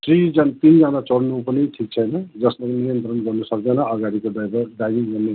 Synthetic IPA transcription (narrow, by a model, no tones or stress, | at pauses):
srid͡zant̪ind͡zanat͡sʌɽnupʌniʈʰik̚t͡sʰʌjnʌd͡zʌsmaknijʌnt̪ɾrʌnɡʌrnusʌk̚d̪ʌnʌʌɡaɾikoabɖajbiŋɡʌrne